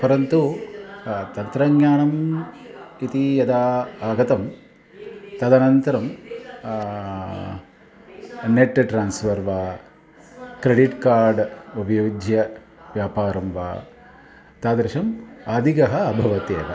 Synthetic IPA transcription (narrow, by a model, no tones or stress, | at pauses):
pɐɾɐnt̪u | t̪ɐnt̪ɾɐɡɲaːɳɐm | it̪ijɐd̪aːaːɡɐt̪ɐm | t̪ɐd̪ɐnɐnt̪ɐɾɐm | neʈːʈɾaːnsfɐɾʋaː | kɾeɖiʈkaːɾɖubʱɐjoːd̪ʱjɐ | ʋjaːpaːɾɐmʋa̰ː | t̪aːd̪ɾiʃɐmaːd̪ʱikɐɦɐːbʱɐʋɐt̪eːɐ̰d̪ɐ̰